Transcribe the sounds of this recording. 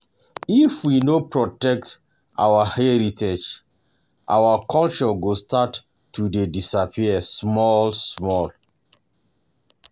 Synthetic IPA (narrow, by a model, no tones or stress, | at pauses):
ifwinopɹɔtɛk̚tʔa̰wahɛɹitʰed͡ʒ | ʔa̰wakʰɔlt͡ʃɔɡostʰatː | udedisapʰiɛsmɔlsmɔl